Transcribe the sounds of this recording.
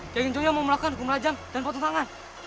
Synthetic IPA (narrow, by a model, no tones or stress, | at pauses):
kaɡiɲd͡ʒojamamulakanɡumɾad͡ʒamdanpɔt̪ɔt̪aŋan